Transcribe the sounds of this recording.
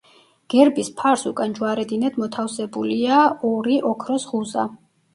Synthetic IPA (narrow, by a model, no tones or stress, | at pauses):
ɡ̥ɛɾbispʰaɾsukʼand͡ʒwaɾɛd̪inɛd̪mɔt̪ʰafsɛbuliaɔɾiʔɔkʰɾɔsʁuza̰